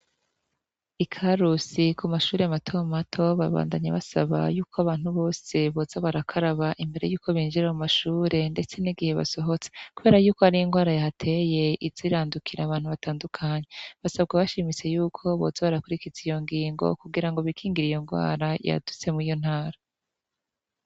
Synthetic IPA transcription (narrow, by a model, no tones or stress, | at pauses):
ikʰaɾusikʰumaʃuːɾeamatʰomatʰo̞βaβa̰ːndaɲa̰βasaβa̰juːkʰoaβaːn̥huβo̞ːseβo̞ːzaβaɾakʰaɾaβaʔimbe̞ɾe̞juːkʰo̞βiːnd͡ʒiɾajumaʃuːɾe̞nde̞t͡se̞niɡihe̞βa̰so̞ɦo̞t͡se̥kuβe̞ːɾajuːko̞haɾijiŋɡwaːɾajahatʰe̞je̞iziɾaːndukʰiɾaːβaːn̥huβataːndukʰaːɲe̞βasabɡaβaʃimit͡se̞juːkʰo̞βo̰zaβaɾakuɾikizijo̞ŋɡiːŋɡo̰kuɡiɾaŋɡo̞βikʰiːŋɡiɾijo̞ŋɡwa̰ːɾaja̰d̥ut͡se̞muijo̞n̥haːɾa